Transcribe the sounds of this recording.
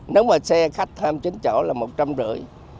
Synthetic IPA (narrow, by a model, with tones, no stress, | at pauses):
ne˨˦wmaː˨˩sɛ˧xa˦˥jk̚t̪ʰaː˧mt͡ɕi˨˦ŋ̟t͡ɕo̰˧˩laː˨˩mo˨˩t̚t͡ɕa˧mzɨ̰˧˩əj